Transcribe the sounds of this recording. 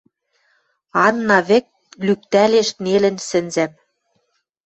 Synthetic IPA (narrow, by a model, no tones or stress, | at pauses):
ɑnːɑβɘ̆k̚ | lyk̚t̪æleʃnelɘ̆nsɘ̆nzæm